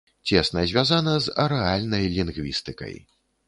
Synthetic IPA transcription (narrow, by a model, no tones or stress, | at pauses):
t͡sʲɛsnɐzʲvʲjazanɐzɐ̰ɾɛalʲnɐjlʲinɣvʲḭst̪ɨkɐ̰j